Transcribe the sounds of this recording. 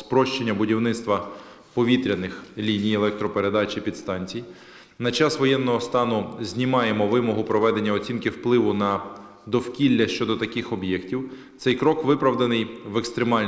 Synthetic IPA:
spɾɔʃt͡ʃenʲːɐbʊdʲiwnɪt̪st̪ʋɐ | pɔʋʲit̪ɾʲɐnɪxlʲinʲijelˠɛk̚t̪ɾɔpeɾe̞d̪ɑt͡ʃʲipʲid̪st̪ɑnʲt͡sʲij | nɐt͡ʃɑsʋɔjɛnːɔɦɔst̪ɑnʊzʲnʲimɑjemɔʋɪmɔɦʊpɾɔʋɛd̪e̞nʲːɐɔt͡sʲinkɪwplˠɪʋʊnɐ | d̪ɔwkʲilʲːɐʃt͡ʃɔd̪ɔt̪ɐkɪxɔbjɛktʲiw | t̪sɛjkɾɔkʋɪpɾɐwd̪enɪjʋekst̪ɾemɑlʲ

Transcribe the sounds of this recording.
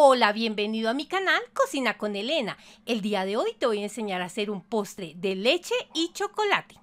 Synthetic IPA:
olaβje̞mbe̞niðoamikanalko̞sinako̞nele̞naeld̪iaðe̞o̞jt̪e̞βo̞jense̞ɲaɾase̞ɾumpo̞st̪ɾeðelet͡ʃe̞it͡ʃo̞kolat̪e̥

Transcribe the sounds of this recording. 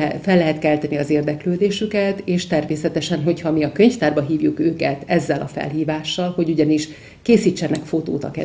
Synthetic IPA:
fɛlːɛɦɛt̪kɛlt̪ɛniɒzeːrd̪ɛkløːd̪eːʃykɛt̪eːʃt̪ɛrmeːsɛt̪ɛʃɛnɦo̞chɒmiɒkøɲft̪aːrbɒɦiːvjukøːkɛt̪ɛzːɛlɒfɛ̰lɦiːvaːʃːɒlho̞ɟuɟɒniʃ | keːsiːt͡ʃːɛnɛkfot̪oːt̪ɒ̰kɛ̰

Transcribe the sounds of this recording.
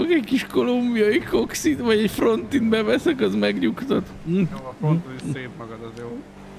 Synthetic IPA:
oɡɛckiʃko̞lumbijɒjiko̞ksit̪vɒɟɛcfro̞nt̪inbɛvɛsɛkɒzmɛɡɲukt̪ot̪ː | eːpmɒɡɒd̪zjo

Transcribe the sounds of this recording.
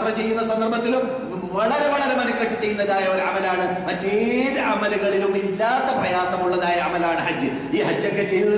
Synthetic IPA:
rɐt͡ɕe̞jːunːɐsɐnd̪ɐrbɐt̪ːilum | ʋɐɭɐɾe̞ʋɐɭɐɾe̞mɐnɐkːɐʈːɨt͡ɕe̞jːunːɐðaːjɐoɾɐ̰mɐlaːɳɨmɐtːeeiːðɨʔɐmɐluɣɐɭilumilːaːt̪ːɐbrɐjaːsɐmuɭːɐðaːjɐɐmɐlaːɳɨɦɐd͡ʑːɨ | iːɦɐd͡ʑːjokːet͡ɕej̪

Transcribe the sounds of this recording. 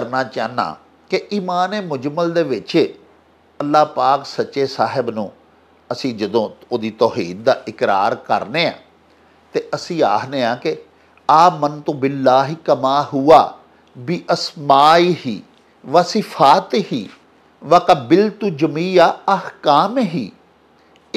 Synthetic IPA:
əɾnaːt͡ʃaːna̰ː | kɪʔiːmaːneːmʊd͡ʒməld̪eːʋɪt͡ʃː | əlːaːpaːksətːʃeːsaːɦɪbnũː | əsĩːd͡ʒəd̪õːoːd̪iːt̪ɔːɦḭːd̪̚d̪aːʔɪkɾa̰ːɾkə̰ɾneːã̰ː | t̪eːʔəsĩːaːkneːãːkɪ | aːmənt̪õːbɪlːaːɦiːkəmaːɦʊaː | biʔəsmaːiːɦiː | ʋasɪfʰaːt̪ɦiː | ʋakəbɪlt̪ʊd͡ʒmiːjaːəhkaːmeɦiː

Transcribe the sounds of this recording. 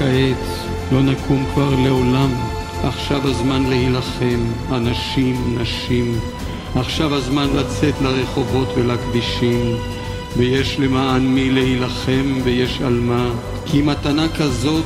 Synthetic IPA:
aʔet͡s | lo̞nakʰumkvaʁleo̞lam | aχʃavazmanlehilaχe̞manaʃimnaʃim | aχʃavazmanlat͡se̞t̪laʁe̞χo̞vo̞t̪velakdiʃim | vejeʃle̞maanmilehilaχe̞mvejeʃalma | kʰimat̪anakazo̞t

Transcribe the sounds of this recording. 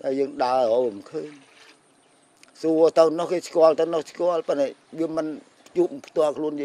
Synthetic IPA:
ɗajəːŋɗaəəʔoːmkʰəːɲ | suət̪əwnɔhkeːskŏəlt̪ɨwnohskŏəlpənaɛʋiəmɨn | pʰt͡ɕuːp̚pʰt̪ŏəlkʰluənjəː

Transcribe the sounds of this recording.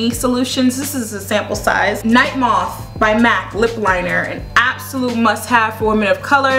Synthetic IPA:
isəluʃɨ̃nzðɪsɨzɨsæ̃mpl̩ˠsa̰ɪz̥naɪt̚mɔθ | b̥aɪmæklɪplãɪ̃nə˞ɨ̰̃næb̥səlut̚mʌst̚hɨv̥fɔɹmɨ̃ɾʌv̥kʰʌlˠə˞

